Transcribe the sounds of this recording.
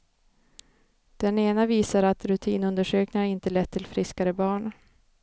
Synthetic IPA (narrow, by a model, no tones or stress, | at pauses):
d̪̥ɛneːnaviːsaɾat̪ɾɵt̪ʰiːnɵnd̪əʂøːknɪaɾɪnt̪əlɛt̪ʰːɪlfɾɪskaɾəbɑːɳ